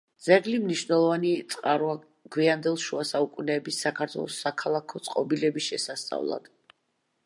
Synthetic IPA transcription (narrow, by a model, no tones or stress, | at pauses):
d̪z̥ɛɡlimniʃvnɛlˠɔvanit̪sʼqʼaɾua | ɡ̥wiand̪ɛlˠʃuasaukʼunɛːbisːakʰaɾt̪ʰwɛ̰lˠɔsakʰalˠakʰɔt̪sʼqʼɔbilɛbisʃɛsast̪sʼa̰vlˠa̰d̪̥